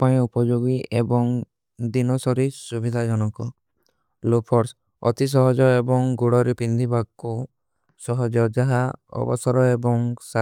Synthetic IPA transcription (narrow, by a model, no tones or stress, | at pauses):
paĩupɔd͡ʒoɡiʔebɔŋ | d̪inɔsɔɾisubid̪ʱad͡ʒɔnɔkɔ | lopʰɔɾs | ɔ̰t̪is̬ɔɦɔd͡ʒɔebɔŋɡuɽɔɾepind̪ʱibaɡku | sɔɦɔd͡ʒɔd͡ʒaɦaɔ̰bɔ̰sɔɾɔebɔŋsa